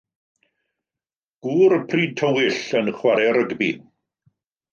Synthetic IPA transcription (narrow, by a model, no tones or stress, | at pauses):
ɡ̥uːɾəpʰriːtʰəwɪɬənχwaɾɛɾəɡbḭn